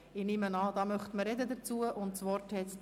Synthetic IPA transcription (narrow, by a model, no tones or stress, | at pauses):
ɪnɪmənɑːd̪ɑːmœχt̪məɾɛd̪əd̪əɾt͡suəʔʊntsvɔɾthɛt͡s